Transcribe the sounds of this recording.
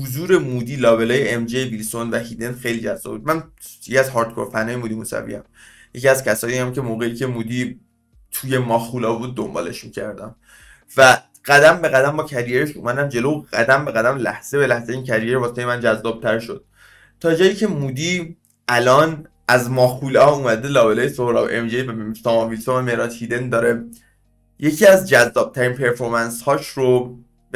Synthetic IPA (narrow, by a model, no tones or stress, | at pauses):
huzuːɾe̞muːd̪iːlɒːbelɒːjeemd͡ʒejebilsonvæhid̪end̪xe̞jliːd͡ʒæzːɒ̰bud̪̚mænjecʰiæzhɒːɾt̪kʰo̰ɾfænːɒːjemuːd̪imuːsæ̰vḭjæ̰m | je̞ciæz̥cʰæsɒːjiæmcʰe̞moːɣeiːcʰe̞muːd̪i | t̪ʰuːje̞mɒːxulɒːbuːd̪̚ːo̞mbɒ̰ːle̞ʃmicʰæɾd̪æm | væ | ɡ̥æd̪æmbe̞ɣæd̪æmbɒːcʰæɾijeɾeʃṵmæd̪æmd͡ʒe̞lowɣ̥æd̪æmbe̞ɣæd̪æmlæ̰hz̥e̞be̞læhzæiːncʰæɾijeɾbɒːset̪ʰejmænd͡ʒæzːɒːb̥̚t̪ʰæɾʃo̞d̪̥̚ | t̪ʰɒːd͡ʒɒːjiːcʰe̞muːd̪i | ʔælɒːn | ʔæzmɒːxulɒːumæd̪elɒːbelɒːjesohɾɒ̰bʔemd͡ʒejvsɒmɒvilsovæmeɾɒːt̪hid̪e̞nd̪ɒːɾe̞ | jecʰiːæzd͡ʒæzːɒːb̥̚t̪ʰæɾiːnpʰe̞ɾfo̞ɾmænshɒːʃɾo | b